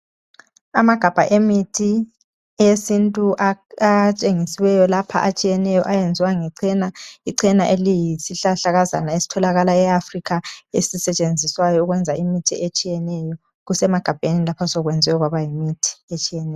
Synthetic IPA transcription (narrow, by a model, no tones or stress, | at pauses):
amaɡ̥ʱab̥ʱaʔemitʰi | esintʼuʔat͡ʃʼeŋisiwɛjɔlapʰa̰ʔat͡ʃʼijɛnɛjɔʔajend͡zʱiwaŋɛǀɛnaiǀɛnaʔelijisiɬaɬaɣaza̰naesi̥tʰɔlaɣalaɛafrikaesisɛt͡ʃʼend͡zʱiswajɔuɣwɛnd͡zʱaʔimitʰiʔet͡ʃʼijɛnɛjɔ | ɣusɛmaɡ̥ʱab̥ʱenilapʰasɔɣwɛnd͡zʱwɛɣwaβajimitʰi̥et͡ʃʼijɛnɛːjjɔ